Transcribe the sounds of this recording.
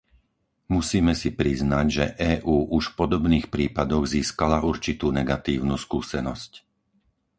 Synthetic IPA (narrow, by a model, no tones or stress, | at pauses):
musiːmɛsipɾiznaɟʒɛʔɛːʔuːʔuʃpɔd̪ɔbniːxpɾiːpad̪ɔɣziːskalaʔuɾt͡ʃit̪uːnɛɡat̪iːʊnuːskuːsɛnɔsc